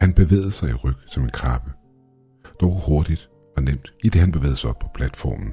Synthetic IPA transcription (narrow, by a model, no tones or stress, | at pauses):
hænb̥e̝ʋḛːð̞̩ˠsɑ̈ɪiʁœɡ̥sɒ̽me̝nkʰɑ̈b̥ə | d̥ɒʊho̝ɐd̥id̥ | ɒ̽nem̰d̥id̥e̝ɦænb̥eʋḛːð̩ˠsaɒ̽b̥pʰɒ̥̽pʰlæd̥fɒ̰ːmn̩